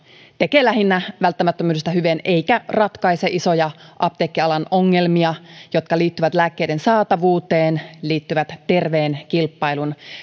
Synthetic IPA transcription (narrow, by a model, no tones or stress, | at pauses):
t̪e̞keːlæɦinːæʋælt̪ːæmæt̪ːømyːdest̪æɦyʋene̞ikærɑt̪kɑiseʔiso̞jɑʔɑp̚t̪eːkːiɑlɑnoŋːe̞lmiɑjo̞t̪kɑliːt̪ːyʋæt̪læːkːejdensɑːt̪ɑʋuːt̪e̞ːnliːt̪ːyʋæt̪t̪ːe̞rʋeːnkilpːɑilun